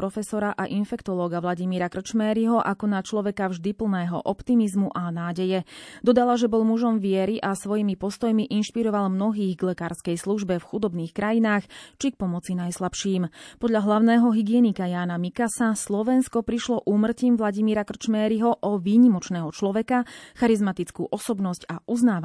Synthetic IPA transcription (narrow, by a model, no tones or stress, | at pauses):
ɾɔfɛsɔɾaʔaʔinfɛkt̪ɔlɔːɡaʋlaɟimiːɾakr̩t͡ʃmɛːɾiɦɔʔakɔnat͡ʃlɔʋɛkavʒd̪ipl̩ˠnɛːɦɔ̰ʔɔpt̪imizmuʔanaːɟɛjɛd̪ɔd̪alaʒɛbɔlmuʒɔmʋɪɛɾiʔasʋɔjimipɔst̪ɔjmiʔinʃpiɾɔʋalmnɔɦiːɣɡlɛkaːɾskɛjsluʒbɛfxud̪ɔbniːxkɾajinaːxt͡ʃik̚pɔmɔt͡sinajslapʃiːmpɔd̪ʎaɦlaʊnɛːɦɔɦiɡɪɛnikajaːnamikasaslɔʋɛnskɔpɾiʃlɔʔuːmr̩ciːmʋlaɟimiːɾakr̩t͡ʃmɛːɾiɦɔʔɔʋiːɲimɔt͡ʃnɛːɦɔt͡ʃlɔʋɛkaxaɾizmat̪it͡skuːʔɔsɔbnɔscaʔuznaːa